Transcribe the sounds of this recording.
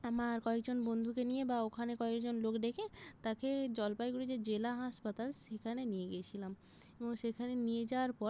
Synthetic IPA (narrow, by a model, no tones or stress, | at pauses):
amaɾkɔekd͡ʑonbond̪ʱukenijebaokʰanekɔekd͡ʑonlokd̪ekʰet̪aked͡ʑɔlpajɡuɽid͡ʑed͡ʑelaɦaʃpat̪alʃekʰanenieɡeet͡ɕʰilam | eboŋʃekʰanenijed͡ʑaoaɾpɔɾ